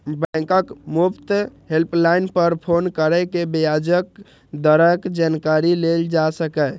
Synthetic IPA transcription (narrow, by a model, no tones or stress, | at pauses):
bɛ̃kəkmupt̪ɦelplainpəɾpʰonkəɾɛkebjad͡ʒək̚ | d̪əɾəkd͡ʒankaɾileld͡ʒasəkɛ